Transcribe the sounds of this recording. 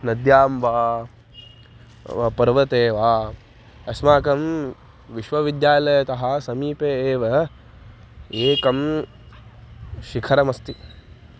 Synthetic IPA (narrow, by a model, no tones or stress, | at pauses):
nɐd̪jaːmʋaː | ʋɐpɐɾʋɐt̪eːʋaː | ɐsmaːkɐm | ʋiʃʋɐʋid̪jaːlɐjɐt̪ɐɦɐsɐmiːpeːeːʋɐ | eːkɐm | ʃikʰɐɾɐmɐst̪i